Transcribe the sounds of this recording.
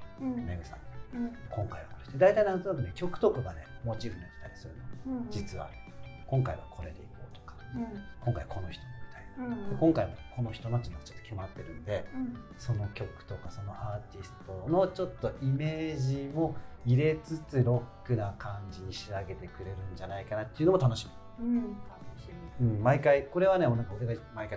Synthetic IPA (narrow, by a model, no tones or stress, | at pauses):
meɡɯ̟sã̰nkõ̞ŋkaiβakoɾet̪ed̪ait̪ainãnt̪onakɯ̟nekʲo̞kɯ̟̥t̪o̞kaɡane̞mo̞t͡ɕiɾɯnoikʲi̥t̪aɾʲi̥sɨɾɯ̟nod͡ʑit͡sɨβa̰kõ̞ŋkaiβakʰo̞ɾe̞t̪e̞̰iko̰ːt̪o̥kḁkõŋkaiβako̞no̞çi̥t̪o̞nomʲit̪aiekõŋkaimokʰo̞no̞çi̥t̪o̞not͡ɕinoɡt͡ɕot̪ːokʰʲimat̪ːe̞ɾɯ̟̃nod̪e̞so̞no̞kʲo̞kɯ̟̥t̪o̞kaso̞no̞ʔaːt̪ʲisɨ̥t̪o̞no̞t͡ɕo̞t̪ːo̞ʔime̞ːʑimo̞iɾe̞t͡sɨt͡sɨɾo̞kːɯ̟nakʰãɲd͡ʑiɲ̟iɕiaɡe̞t̪e̞kɯ̟ɾe̞ɾɯ̟̃ɲd͡ʑanaikanat̪ːeiɯ̟nomo̞t̪ano̞ɕimi | ɯ̟̃ɴmaikaiko̞ɾe̞βaneonãkaoɾeɡamaikai